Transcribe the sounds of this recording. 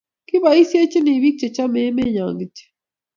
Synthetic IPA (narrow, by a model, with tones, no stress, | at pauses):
ki˦ba˨i˦sje˦t͡ʃi˦ni˨βi˦k̚t͡ʃɛ˨t͡ʃa˦me˨˦me˦ɲa̰˨ŋɡi˨t͡ʃe̥˦